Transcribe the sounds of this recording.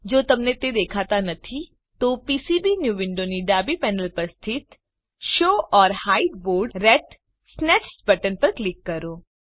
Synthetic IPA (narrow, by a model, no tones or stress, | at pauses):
d͡ʒoːt̪ɐmnet̪ed̪eːkʰaːt̪anɐt̪ʰi | t̪oːpiːsibinjuːʋɪ̃ɳɖoniɖaːbipɛːnəlpɐɾst̪ʰɪt̪ | ʃoːʔɔːɾhaːɪɖboːɾɖɾɛʈ | snɛːʈsbɐʈənpɐɾklɪkːɐɾoː